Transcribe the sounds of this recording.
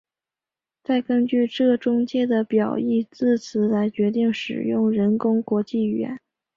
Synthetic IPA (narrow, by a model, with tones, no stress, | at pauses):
t͡sa˥˩ɪkə˥nt͡ɕy˥˧ʈ͡ʂɤ˥˩ʈ͡ʂʊ˥ŋt͡ɕjɛ˥d̪ə˨pjɑ˨˩ʊi˥˧t͡sɹ̩˥˩t͡sʰɹ̩˧˥la˧˥ɪt͡ɕɥɛ˧˥t̪i˥˩ŋʂɻ̩˨˩jʊ˥˩ŋɻə˧˥nkʊ˥ŋkwɔ˧˥t͡ɕi˥˩ɥɛ̰˧˥n